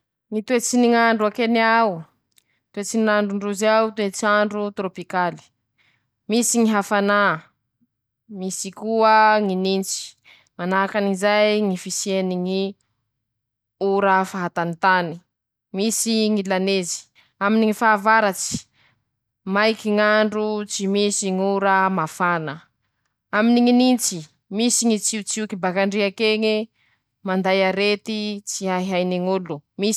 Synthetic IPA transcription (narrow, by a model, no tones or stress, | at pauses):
ŋit̪wet͡siniŋaɳɖ͡ʐuakenaw | t̪wet͡sininaɳɖ͡ʐuɳɖ͡ʐuzawt̪wet͡saɳɖ͡ʐut̪ɾopikali̥ | misiŋiɦafana | misikuəŋinint͡si̥ | manaɦakanizajŋifisieniŋi | uɾafaɦat̪anit̪ani̥ | misiŋilanezi̥ | aminiŋifaːvaɾat͡si̥ | majkiŋaɳɖ͡ʐut͡simisiŋuɾamafanə | aminiŋinint͡si | misiŋit͡siut͡siukibakaɳɖ͡ʐiakeŋe | mand̪ajaɾet̪it͡siaiɦajneŋulumi